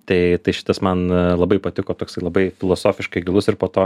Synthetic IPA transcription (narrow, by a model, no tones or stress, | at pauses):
t̪ɐɪt̪ɐɪʃʲɪ̥t̪ɐsmɐnlˠɐbɐɪpɐt̪ʲɪkoːt̪oːksɐɪlˠɐbɐɪfʲɪlˠoːsoːfʲɪʃkɐɪɡʲɪlˠʊsɪɾpoːt̪oː